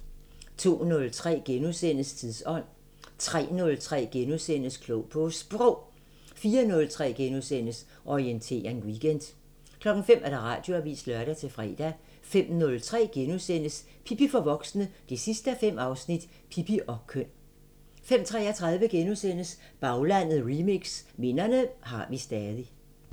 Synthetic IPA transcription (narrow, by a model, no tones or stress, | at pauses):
t͡sʰo̝̰ːnɔ̽lt͡sʰʁɛ̰ːɡ̥enusen̰əst͡sʰiðˠsɒ̽n̰ | t͡sʰʁɛ̰ːnɔ̽lt͡sʰʁɛ̰ːɡ̥enusen̰əskʰloʊpʰɔ̽sb̥ʁɔʊ̰ | fiːɐnɔ̽lt͡sʰʁɛ̰ːɡ̥enusen̰əs | ʔɒient͡sʰe̝̰ːɐŋwiɡ̥end̥ | kʰlɒ̽ɡ̥n̩fem̰ʔæɐd̥ɑ̈ʁɑ̰̈ːd̥jo̝æʋḭːsd̥lɶɐɾ̥æt͡sʰe̝fʁɛ̰ːd̥æ | fem̰nɔ̽lt͡sʰʁɛ̰ːɡ̥enusen̰əs | pʰipifɒ̽ʋɒ̽ɡ̥snəd̥e̝sisd̥əæfem̰ɑ̈ʊsnid̥ | pʰipiʔɒ̽kʰøn̰ | fem̰t͡sʰʁɛːɐt͡sʰʁɑ̈ðˠʋəɡ̥enusen̰əs | b̥ɑ̈ʊlæn̰ð̩ˠʁimiɡ̥sme̝nɐnəɦɑ̈ʋisd̥ɛːðˠi